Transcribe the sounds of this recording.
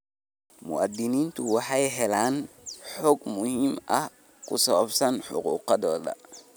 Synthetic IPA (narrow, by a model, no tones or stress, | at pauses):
mʊ̰ɐd̪ɪniːnt̪ʰʊwɑħɑjɦɛlaːnħɔɡmʊhiːmʔɐh | kʰʊsɐβɐbsɐnħʊ̰qṵːqɑðɔːd̪ɐ̰